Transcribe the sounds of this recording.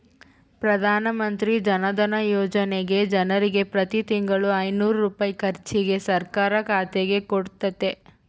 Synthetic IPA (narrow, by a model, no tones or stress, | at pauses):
pɾɐd̪ʱaːnɐmɐnt̪ɾid͡ʒɐnɐd̪ɐnɐjoːd͡ʒɐneɡe̞d͡ʒɐnɐɾiɡe̞pɾɐt̪it̪iŋɡɐɭuɐjnuːɾuɾuːpaːjikɐɾt͡ʃiɡe̞sɐɾkaːɾɐkaːt̪eɡe̞koɽt̪ɐt̪e̞